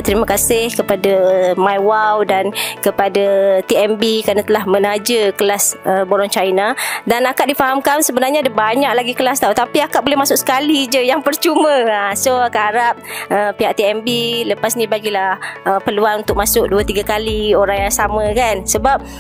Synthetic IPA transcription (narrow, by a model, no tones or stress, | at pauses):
t̪əɾiməkasɪhkəpadamajwawdankəpadat̪iɛmbikɾanãt̪əlahmə̃nad͡ʒəkəlasəboɾɔŋt͡ʃajnadanakaʔ̚difaɦamkansəbənarɲadəbaɲaʔ̚laɡikəlast̪aut̪apiakat̪ʔ̚bolɛhmasʊksə̥kalid͡ʒəjaŋpərt͡ʃumə̃asoakaaɾap̚əpiɦaʔt̪iɛmbiləpasnĩbaɡilahəpəluanunt̪ʊk̚masʊk̚duət̪iɡakalioɾaŋjaŋsamə̃kansəbap̚